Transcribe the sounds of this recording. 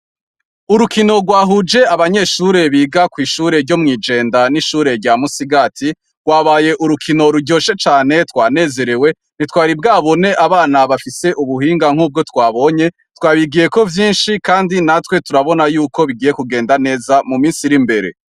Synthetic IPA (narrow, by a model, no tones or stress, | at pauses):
uɾukino̞ɡwaːɦud͡ʒe̞aβaɲe̞ːʃuːɾe̞βiːɡakwiːʃuːɾe̞ɾɟo̞mŋiːd͡ʒe̞ːndaniʃuːɾe̞ɾɟamusiɡaːtʰi | ɡ̥waːβaːje̞ʔuɾukʰino̞ɾuɟo̞ːʃe̞t͡ʃaːne̞twaːne̞ːze̞ɾe̞we̞ | n̥itwaːɾibɡaːβo̞ne̞ʔaβaːnaβafise̞ʔuβuɦiːŋɡaŋ̥uːb̚ɡo̞twaːβo̞ːɲe̞ | twaːβiɡije̞ko̞vjiːnʃikaːndinatwe̞tuɾaβo̞najuːkʰo̞βiɡiːjekuɡe̞ːndane̞ːzamumiːnsiɾimbe̞ɾe̞̰